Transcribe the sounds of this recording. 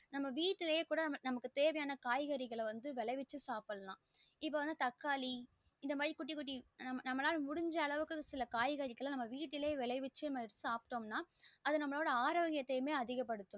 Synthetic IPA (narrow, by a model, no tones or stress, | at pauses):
nɐmːɐʋiːʈːɪleːkuːɽɐnɐmːnɐmɐkːɯt̪eːʋɐjaːnɐkaːjɣɐɾɪɣɐɭʋɐnd̪ɯʋɛɭɐɪʋɪt͡ʃːɯsaːpɐlɐlã̰ː | ɪpːoːʋɐnd̪ɯt̪ɐkːaːli | ɪnd̪ɐmaːɻikːʊʈːikːʊʈ̬ːinɐmːɐnɐmːɐnaːlmʊɽʊɲd͡ʒɐːɭɐʋɯkːɯsɪlɐkaːjɣɐɾɪkːɐɭɐnɐmːɐʋiːʈːɪleːʋɛɭɐɪʋɪt͡ʃːɯnɐmːɐsaːpʈoːmnaːɐðɯnɐmːɐɭoːɽɐaːɾoːɣɪjɐt̪ːɐjɯmeːɐðɪɣɐpːɐɽɯt̪ːʊ̃